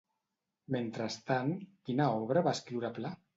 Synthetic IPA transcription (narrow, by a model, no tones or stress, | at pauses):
ment̪ɾast̪ankinaɔβɾaβaeskɾiwɾapla